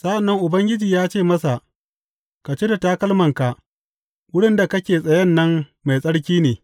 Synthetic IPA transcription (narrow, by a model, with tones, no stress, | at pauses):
sʼa˦ʔa˨nːɐ˦ŋʔʊ˨bɐ˦ŋɡʲɪ˦d͡ʒiː˨jaː˦t͡ʃeː˦˨mɐ˦sa˨ʔ | ka˨t͡ʃe˦da˨taː˦kɐ˦lmɐ˨ŋka˨ʔ | wʊ˦ɽɪ˦nda˨kɐ˦kʲeː˨sʼɐ˨jɐ˦nːɐ˦mma˨jsʼɐ˦ɽkʲiː˦neː˨